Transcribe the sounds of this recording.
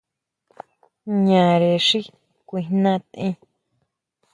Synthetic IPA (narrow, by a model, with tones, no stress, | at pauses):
ɲã˨ɾe˨ʂi˦ | kʷi˧hnã˦˧t̪ʔĩ˦